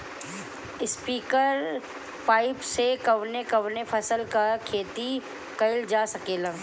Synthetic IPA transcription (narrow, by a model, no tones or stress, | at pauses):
ɪspiːkəɾ | paːɪpsekɐʋnekɐʋnepʰɐsəlkakʰeːt̪i | kɐɪld͡ʒaːsɐkeːlaː